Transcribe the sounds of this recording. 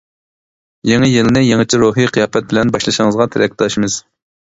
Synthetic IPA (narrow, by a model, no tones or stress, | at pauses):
jeŋɨjɪlnɪjeŋɨt͡ʃʰiɾuɦiqʰijɑːpɛt̪̚bɪlɛnbɑʃlˠɨʃɪŋəzʁɑt̪ʰɪɾɛk̚ʲd̪ɑʃmɨz̥